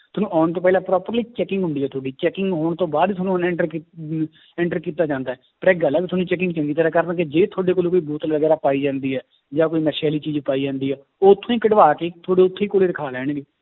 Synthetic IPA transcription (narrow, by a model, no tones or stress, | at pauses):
t̪ʊnũːaːɳt̪oːp̬ɛːlãːpɾɔːpəɾliːt͡ʃɛːkɪ̃ŋɡɦʊ̃nd̪iːɛːt̪ʰoːɖiːt͡ʃɛːkɪŋɡɦoːɳ̃t̪õːbaːd̪t̪ʰʊnũnɛ̃ɳʈəɾ | ɛ̃ɳʈəɾkiːt̪aːd͡ʒãːnd̪aːɛːpəɾɛɡəlːaːkit̪ʊnũːt͡ʃɛːk̬ɪŋɡt͡ʃə̃ŋɡiːt̪ɾaːkəɾnk̬ed͡ʒeːt̪ʰoːɖeːk̬oːloːkoːiːbuːt̪ʋəɡɛːɾaːpaːiːd͡ʒãːnd̪iːɦɛː | d͡ʒãːkoːiːmɛːsaːliːt͡ʃiːd͡ʒpaːiːd͡ʒãːnd̪iːɦɛː | oːt̪ʰːõːĩːkəɖʋaːkeːt̪ʰoːɽeːʊt̪ʰːeːkoːleiːɾɪkʰaːlɛːɳ̃ɡeː